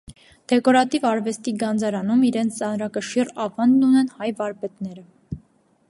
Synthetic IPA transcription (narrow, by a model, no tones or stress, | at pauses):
d̪̥ɛkɔɾɑt̪ivɑɾvɛst̪iɡɑnd͡zɑɾɑnumiɾɛnt͡sʰt͡sɑnɾɑkəʃirɑvɑnd̪nunɛnhɑjvɑɾpɛt̪nɛɾə